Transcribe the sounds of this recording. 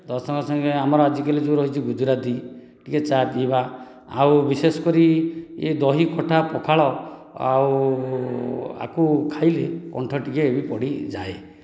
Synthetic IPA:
d̪ɔsɔŋɡɔsɔŋɡeamɔɾɔad͡ʒikelid͡ʒuɾɔɦit͡ʃʰiɡud͡ʒuɾad̪i | ʈiket͡ʃapiba | awbisesɔ̥kɔɾied̪ɔɦikʰɔʈʰapɔkʰaɭɔ | a̰u | a̰kukʰajlekɔ̰ɳʈʰɔʈikeːbipɔɽid͡ʒa̰e

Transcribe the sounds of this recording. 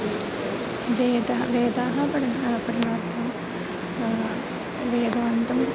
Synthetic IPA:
ʋeːd̪ʋeːd̪aːɦɐpɐɽɐnɐpɐɾɐnaːɾt̪ʰɐm | ʋeːd̪aːnt̪ɐm

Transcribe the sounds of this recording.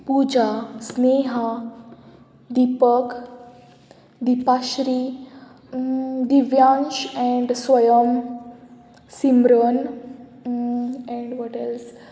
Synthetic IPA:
pud͡ʒasneɦa | d̪ipək | d̪ipaʃɾi | d̪iʋjãnt͡ʃɛ̃ɳɖsʋəjəm | simɾən | ɛ̃ɳɖʋɔʈɛls

